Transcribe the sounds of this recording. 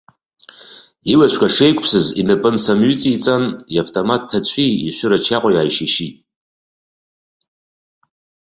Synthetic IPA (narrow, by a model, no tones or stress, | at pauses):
ilaʃʷᶣkʷʰaʂejkʷʼpʰsɨzinɨpʼɨnsamɥʏt͡sʼit͡sʼaniavtʼomatʰːat͡ɕʷʰḭːʃʷʏɾat͡ʃʰaqʷʼajaːjʃeʃitʼ